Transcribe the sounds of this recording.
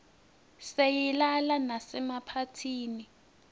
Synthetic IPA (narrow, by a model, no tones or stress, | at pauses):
sejilalanasɛmapʰatʰiːni